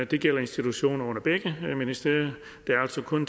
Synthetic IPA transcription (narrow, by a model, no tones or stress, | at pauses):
d̥e̝ɡ̥el̰ɐe̝nsd̥it͡sʰuɕo̝̰ːnɐɔ̽n̰ɐb̥eɡ̥əminisd̥eɐ̰ | d̥e̝æɐæl̰sɒkʰɔ̽n